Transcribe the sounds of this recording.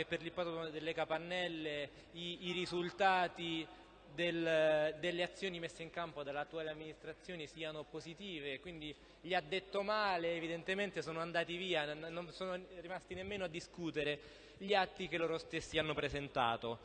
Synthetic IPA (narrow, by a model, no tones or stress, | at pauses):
epːerlipat̪od̪elːekapanːɛlːe | iːɾizult̪aːt̪i | d̪eld̪elːeat̪sːjoːnimesːeiŋkampod̪alat̪ːuaːleamːinist̪ɾat̪sːjoːnisiːanopozit̪iːvekwind̪i | ʎiad̪ːet̪ːomaːleːvid̪ent̪ement̪esoːnoand̪aːt̪iviːannonsoːnorimast̪inemːeːnoad̪ːiskuːt̪eɾe | ʎiat̪ːikeloːɾost̪esːianːopɾezent̪a̰ːt̪o